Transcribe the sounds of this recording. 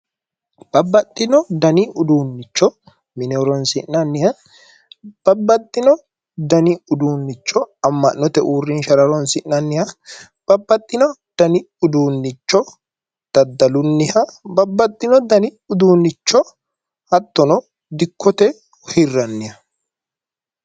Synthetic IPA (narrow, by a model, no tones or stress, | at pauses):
b̥ɐbːɐt̪ʼːɪnɔd̪ɐnɪʊd̪uːnːɪt͡ʃːɔ | mɪnɛɔɾɔnsɪʔnːɐnːɪjɐ | b̥ɐbːɐt̪ʼːɪnɔ | d̪ɐnɪʊd̪uːnːɪt͡ʃːɔɐmːɐnːɔt̪ɛʔuːrːɪnʃɐɾɐɾɔnsɪʔnːɐnːɪhɐ | b̥ɐbːɐt̪ʼːɪnɔd̪̥ɐnɪ | ʊd̪uːnːɪt͡ʃːɔ | d̪̥ɐd̪ːɐlʊnːɪhɐbɐbːɐt̪ʼːɪnɔd̪ɐnɪ | ʊd̪uːnːɪt͡ʃːɔ | ɐt̪ːɔnɔ | d̪ɪkʰːɔt̪ɛ | hɪrːɐnːɪhɐ